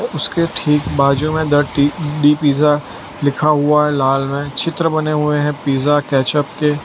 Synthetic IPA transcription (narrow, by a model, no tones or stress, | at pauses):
ʊskeʈʰiːkbaːd͡ʒũmẽd̪əʈiɖipiːza | lɪkʰaɦʊaɦɛlaːlmẽt͡ʃʰɪt̪ɾəbɐneɦʊeɦɛ̃piːzakɛːt͡ʃəp̚ke